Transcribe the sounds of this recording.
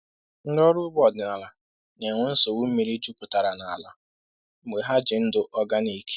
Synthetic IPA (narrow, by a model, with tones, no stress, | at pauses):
ŋ̩˦dɔ˦ɾʊ˦bɔ˨dɪ˨na˨la˨ | ne˨ŋʷʊ˦n̩˦sɔ˨wu˦me˨ɾi˦d͡ʒu˦kʊ˨ta˨ɾa˨na˨a˨la˨˦ | me˨ɦa˦d͡ʒɪ˨n̩˦dʊ˦ʔɔ˦ɡa˦ni˨ke̥˦